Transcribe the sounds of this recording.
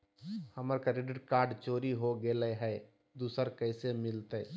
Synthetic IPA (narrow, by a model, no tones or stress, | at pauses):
həməɾkəɾeɖɪʈkaːɾɖt͡ʃoːɾiɦoɡeleɦɛː | d̪uːsəɾkɛːsemɪlt̪e